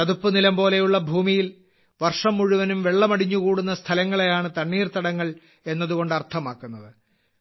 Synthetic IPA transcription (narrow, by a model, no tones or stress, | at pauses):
ɐðupːɨnilɐmbo̞ːle̞juɭːɐbʱuːmijil | ʋɐrʂɐmːuɻuʋɐnumʋe̞ɭːɐmɐɽiɲːukuːɽunːɐst̪ʰɐlɐŋːɐɭe̞jaːɳɨt̪ɐɳːiːrt̪ɐɽɐŋːɐɭ | e̞nːɐðuɣo̞ɳɖɨɐrt̪ʰɐmaːkːunːɐðɨ